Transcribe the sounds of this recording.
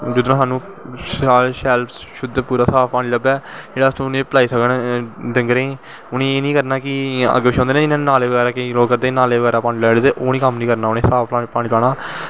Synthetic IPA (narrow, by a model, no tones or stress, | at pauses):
d͡ʒəd̪õːsaːnũː | saːlʃɛːlp | ʃʊd̪puːɾaːsaːfpaːɽ̃iːləbɛːd͡ʒeːɽaːst̪ʰõːnẽːpəlaːiːsəknɖə̃ŋɡɾẽː | ʊnẽːeːnĩːkəɾnaːkɪə̰ɡeːbɪʃɔ̃ːnd̪eːnẽːɪnãːnaːleːʋəɡɛːɾaːkəiloːɡkːəɾd̪ẽːnaːleːʋəɡɛːɾaːpaːñiːlɛːɽːt̪eːʔoːniːkəmnĩːkəɾnaːʊnẽːsaːfaːipaːɽiːlaːɽaː